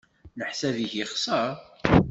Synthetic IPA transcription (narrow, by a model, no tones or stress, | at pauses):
nəħsæðiçəχsəɾ